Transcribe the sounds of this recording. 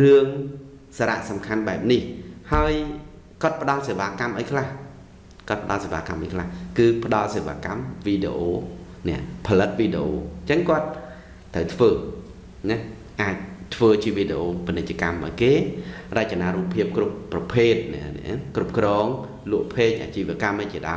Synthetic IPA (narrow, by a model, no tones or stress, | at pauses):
rɨəŋ | saːɾa̰ʔsɑmkʰanɓaɛp̚nihhaəj | kŏət̪̚pə̆ɗɑlseːʋaːkamʔaɔjkʰlah | koət̪̚pə̆ɗɑlseːʋaːkamʔakʰlahkɨːpə̆ɗɑlseːʋa̰ːkamʋiːɗḛʔoː | nɛ̆əʔpʰɑlɨt̪̚ʋiːɗeʔoːt͡ɕəŋkŏət̪̚ʰː | əwt̪ʰʋəː | nɨh | ʔaːc̚t̪ʰʋəːt͡ɕiəʋiːɗeʔoːpinɨc̚t͡ɕəkamʔa̰ɔjkeːrəc̚t͡ɕanaːɾuːpʰːiəp̚krupːrɑpʰeːt̪̚nɛ̆əʔnɛ̰ʔkrup̚krɔːŋ | lŭəʔpʰeːc̚ʔa̰ːt͡ɕiːʋəəkamʔajt͡ɕiəɗa̰ɔ